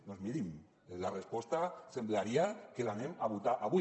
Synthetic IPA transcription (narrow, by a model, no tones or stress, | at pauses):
nozmiɾim | larespo̞st̪asemblaɾiakelanemaβut̪aʔaβu